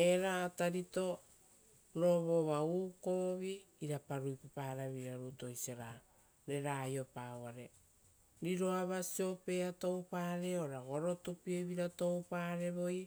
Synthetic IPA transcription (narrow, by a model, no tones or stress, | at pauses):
e̞ɾaːtaɾito̞ | ɾo̞βoβauːko̞βiː | ɾapaɾujpapaːɾaβiɾaɾuto̞jsieɾa | ɾe̞ɾajo̞paːwaɾe̞ | ɾiɾo̞aβasio̞pe̞ato̞wpaːɾeoɾaɡoɾo̞tupieβiɾato̞wpaɾe̞βo̞j